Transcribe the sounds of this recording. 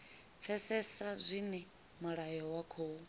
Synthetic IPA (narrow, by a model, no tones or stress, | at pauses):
fʰɛsɛsazʷinɛ | muɺajɔwakʰoːwu